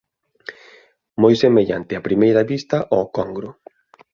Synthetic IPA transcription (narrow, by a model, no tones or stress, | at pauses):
mojsemeʎa̰nt̪ɪapɾimejɾɐβist̪ɐʔɔkɔŋɡɾʊ